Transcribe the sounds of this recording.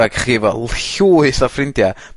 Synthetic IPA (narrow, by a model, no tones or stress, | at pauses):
aɡχiːvɔllɬuːɨθafrɪndja